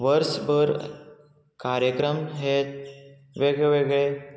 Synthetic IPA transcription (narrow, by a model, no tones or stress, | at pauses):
ʋəɾsbəɾ | kaɾjəkɾəmɦet̪ | ʋeɡɭeʋeɡɭe